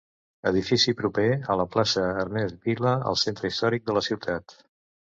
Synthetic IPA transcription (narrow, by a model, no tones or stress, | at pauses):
əð̞ifisipɾupeələplasəːɾnɛzβiləə̰lˠsent̪ɾəist̪ɔɾik̚d̪ələsiwt̪ʰat̪